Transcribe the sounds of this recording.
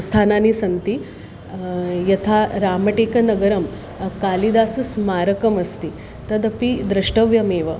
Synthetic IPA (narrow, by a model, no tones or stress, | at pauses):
st̪ʰaːnaːnisɐnt̪i | jɐt̪ʰaɾaːmɐʈeːkɐnɐɡɐɾɐm | kaːlid̪aːsɨsmaːɾɐkɐmɐst̪i | t̪ɐd̪ɐpid̪ɾɐʂʈɐʋjɐmeːʋɐ